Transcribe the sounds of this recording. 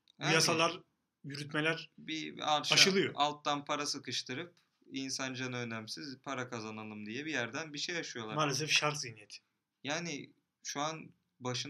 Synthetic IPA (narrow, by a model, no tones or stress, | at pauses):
hæjasalˠaɾ | jyɾyt̪melʲæɾbiaɾʃaʃɯlˠɯjoalˠt̪ːanpʰaɾasɯkɯʃt̪ʰɯɾɯp | insand͡ʒanønæmsizpʰaɾakʰazanalˠɯmd̪ijɛbijæɾd̪ænbiʃejaʃɯjo̞lˠamaːlʲes̬ɛfʃaɾkzinijet̪ʰɪ̥ | jaːnɪ | ʃuan | baʃɯn